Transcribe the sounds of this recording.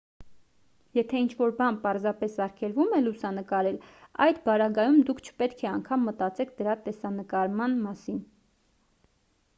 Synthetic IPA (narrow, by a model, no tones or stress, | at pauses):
jɛt̪ʰɛint͡ʃʰvɔɾbɑnpɑɾzɑpɛsɑɾkʰɛlvumɛlusɑnəkɑɾɛlɑ̰jd̪bɑɾɑɡɑjumd̪ukʰt͡ʃʰə̥pɛt̪kʰɛɑŋkʰɑmːət̪ɑt͡sɛk̚ʰd̪əɾɑt̪ɛsɑnəkɑɾmɑnmɑsin